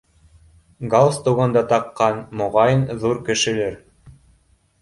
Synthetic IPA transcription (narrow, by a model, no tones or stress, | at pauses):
ɡalˠst̪uwʁɑnd̪ɑt̪ɑqːɑnmŏʁɑjɤnðuɾkɘ̆ʃɘ̆læɾ